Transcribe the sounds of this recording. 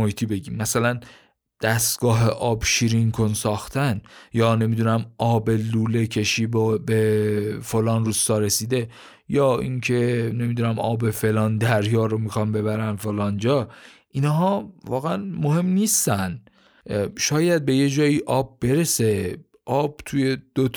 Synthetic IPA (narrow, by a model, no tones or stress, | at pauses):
ohiːt̪ʰibe̞ɟiːmːæsælæn | d̪̥æst̪ɡ̥ɒːɦe̞ʔɒːbʃiːɾiŋkʰonsɒːxt̪ʰænjɒːne̞mid̪uːnæmʔɒːbe̞luːle̞cʰe̞ʃiːbobefo̞lɒːnruːst̪ɒːɾe̞siːd̪e̞ | jɒːiŋcʰe̞ne̞mid̪unæmʔɒːbe̞fe̞lɒːnd̪æɾjɒːɾo̞mixɒnbe̞βæɾænfo̞lɒːnd͡ʒɒːʔinɦɒːvɒːɣeænmohe̞mniːst̪æn | ʃɒːjæd̪̚be̞je̞d͡ʒɒːiʔɒːb̚ːe̞ɾe̞se̞ | ʔɒːb̥̚t̪ʰuje̞d̪̥o